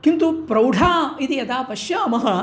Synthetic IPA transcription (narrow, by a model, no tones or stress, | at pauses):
kint̪upɾɐwɖʱaːid̪iɐt̪aːpɐʃjaːmɐɦɐ